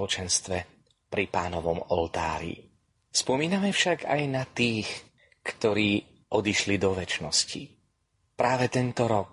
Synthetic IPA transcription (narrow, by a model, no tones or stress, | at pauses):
ɔt͡ʃɛnst̪ʋɛ | pɾipaːnɔʋɔmɔlt̪a̰ːɾḭ | spɔmiːnamɛfʃaɡa̰jnat̪iːx | kt̪ɔɾiː | ʔɔd̪iʃlid̪ɔʋɛt͡ʃnɔsci | pɾaːʋɛt̪ɛnt̪ɔɾɔk̚